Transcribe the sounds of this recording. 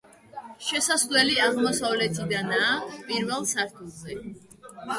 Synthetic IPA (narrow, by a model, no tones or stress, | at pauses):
ʃɛsaslɛliaʁmɔsavlɛt̪ʰid̪anaːpʼiɾvɛlˠsaɾt̪ʰuzɛ